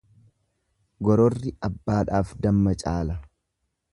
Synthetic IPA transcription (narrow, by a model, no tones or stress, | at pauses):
ɡɔɾɔrːɪʔɐbːaːᶑaːfd̪ɐmːɐt͡ʃʼaːlɐ